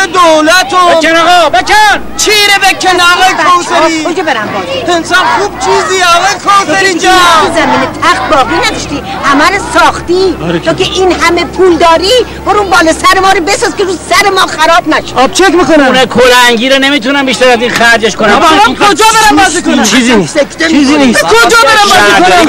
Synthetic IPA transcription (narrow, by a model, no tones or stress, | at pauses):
ed̪owlæt̪obænɔɣɔbekʰæn | t͡ʃʰiːɾebekʰʲːenɛɣɔjkʰowseɾikʰod͡ʒɒːbeɾæmbɒːziensɒnxuːbt͡ʃʰiziɔɣɑjekʰɔseɾind͡ʒæuzæmiːnet̪ʰæxt̪̚bɒːɣiːnæd̪ɔʃt̪i | hæmæɾosɒːxt̪iːɾeoːkʰeʔiːnɦæmepʰuːld̪ɒːɾi | boɾunbɒːlɔsæɾemɒːɾobesɒːzkʲeɾusæɾemɒːxæɾɒːbnæʃe̥ɒb̥̚t͡ʃʰekmikounekʰoɾæŋɟiːɾone̞miːt̪unæmbiʃt̪æɾæzinxæɾd͡ʒeʃkonæmmkʰod͡ʒɒːbeɾæmbɔːsikont͡ʃʰiːzisekʲʰt̪eizinikʰod͡ʒɒːbeɾæmbɔikoa